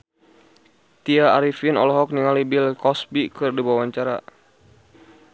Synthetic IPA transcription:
t̪iaaɾifinɔ̰lɔɦɔk̚niŋalibɪlkɔsbikɨrdibawaɲt͡ʃaɾa̰

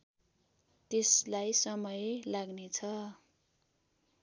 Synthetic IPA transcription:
t̪eslajsʌmʌjlaɡnet͡sʰʌ

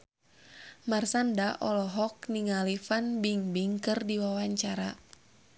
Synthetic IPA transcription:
marsandaʔɔlɔɦɔk̚niŋalifanbiŋbiŋkɨrdiwawaɲt͡ʃaɾa

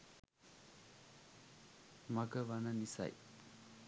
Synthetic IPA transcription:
maɡəʋanənisa̰j

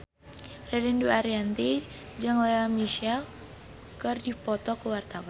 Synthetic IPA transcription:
rɛdɛnduaɾiant̪i | d͡ʒaŋlɛamiʃal | kərdipɔt̪ɔkəwart̪awan

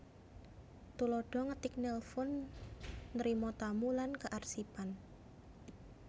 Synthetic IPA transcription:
t̪ulɔɖ̥ɔŋət̪ɪk̚nɛlfʊnː | ɾimɔt̪amulankəʔarsipan

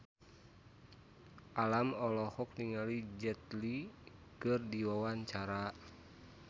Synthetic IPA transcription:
ʔalamɔlɔhɔk̚niŋalid͡ʒɛt̪likɨrdiwawaɲt͡ʃaɾa

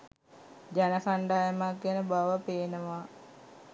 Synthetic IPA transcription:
d͡ʒænəkaɳɖaːjəmak̚ɡenəbaʋəpeːnəʋa

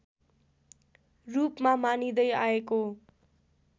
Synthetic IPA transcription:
rupmamanid̪ʌjaeko

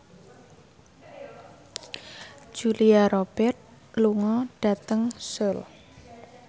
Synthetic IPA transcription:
d͡ʒ̥uliaɾob̥ɛrt̪̚ | luŋɔɖ̥a̤t̪əŋsʊl

